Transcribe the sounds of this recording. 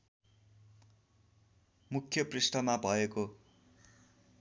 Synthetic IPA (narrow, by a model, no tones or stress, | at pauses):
mukʰːjʌprisʈʌmabʱʌeko